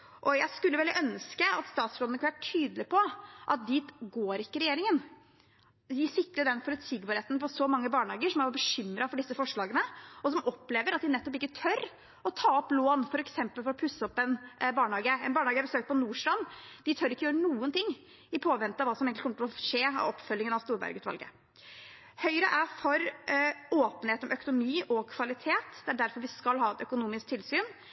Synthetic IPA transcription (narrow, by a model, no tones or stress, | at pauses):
ʔɔjæɪskʉlːəʋɛlːəʔœnskəɑt̪st̪ɑːt̪sfɾoːd̪ənəkɑnʋæːʈʰyːd̪lɪpʰɔʔɑ̰t̪̚d̪iːt̪ɡoːɾɪkːəɾɛjeːɾɪŋən | d̪ɪsʏkləɖɛnfɔɾsiːɡbɑːɾeːt̪npɔsɔmɑŋːəbɑːɳhɑːɡəʂɔmæʋɑbəɕʏmːɾɑfɔɖɪsːəfɔʂɭɑːɡənəɔsɔmʔɔpːleːʋəɾɑt̪̚d̪ɪnɛt̪ːɔp̬ɪkːət̪ʰœɾ | ɔt̪ʰɑːɔploːnfɔɾɛksɛmpəlfɔɾɔpʰʉsːəɔpːɛnbɑːɳɑːɡəɛ̰nbɑːɳhɑːɡəæbəsøːkt̪̚pʰɔnuːʂlɑnːd̪̥ɪt̪ʰœɾɪkːəjøːɾənuːənt̪ɪŋː | ɪpʰoːʋɛnt̪ːəɑʋɑːsɔmeŋk̪lkʰɔməʈ̪t̪ɔʂeːɑ̰ʋɔpfœlːɪŋənɑʋst̪uːɾbæ̰ɾɡʉːt̪ʰʋɑ̰lɡə̰ | hœʏɾəʔæfɔɾ | oːpənheːt̪ɔmœkʊnʊmiːʔɔkʰʋɑlɪt̪ʰeːt̪d̪ɛæɖæɾfɔɾʋɪskɑlːɦɑːɛt̪œkʊnuːmɪsk̚t̪ʰɪlsyːn